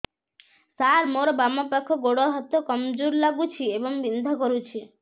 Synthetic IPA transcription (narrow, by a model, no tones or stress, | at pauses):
saɾmoɾɔbamapakʰːɔɡoɽɔɦɔt̪ːokɔmd͡ʒuɾlaɡut͡ʃʰiebɔŋbind̪ʱɔkɔɾut͡ʃʰi